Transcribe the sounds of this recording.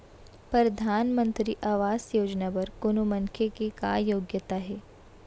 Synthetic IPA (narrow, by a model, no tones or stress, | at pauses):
pɾɾɐd̪ʱaːnmə̃nt̪ɾiʔaːʋaːsjoːd͡ʒnabɐɾkʊnomɐŋkʰekeka̰ːjoːɡjət̪aɦɛː